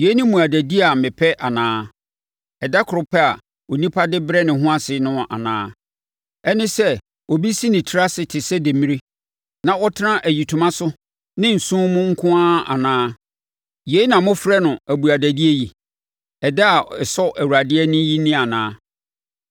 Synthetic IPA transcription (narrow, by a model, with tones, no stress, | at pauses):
je˨˦nɪ̃˦mũ˨a˨dæ˨di˦˨a˨mɪ̃˨pʰɛ˦ʔa˨nãː˦ | ɛ˨da˦kʰʊ˨ɾʊ˨pʰɛ˦a˨ | o˨nĩ˦pʰa˦dɪ˦bɾɛ˦nɪ̃˨ɦʊ̃˦a˦sɪ˨nʊ̃˦˨a̰˨nãː˦ | ɛ˦nɪ̃˦sɛ˦ | ɔ˨bi˦si˦nɪ̃˨tʰi˦ɾa˦sɪ˨tʰɪ˨sɛ˦de˨mĩ˦ɾi˦ | nã˨ɔ˦tʰɪ˦nã˦ʔæ˨ji˨tʰu˨mã˦sʊ˦ | nɪ̃˦n̩˨sũ˦mʊ̃˦ŋ̩˦kʰʊ̃˦ã˦a̰˨nãː˦ | je˨˦nã˨mʊ̃˦fɾɛ˦nʊ̃˨æ˨bu˨a˨dæ˨di˦e˦ji˨ | ɛ˨dɛ˦a˨ɛ˨sɔ˦ʔæ˨wu˨ɾa˨dɪ˦ɛ˦nʊ̃˦ji˦nĩ˦a˨nãː˦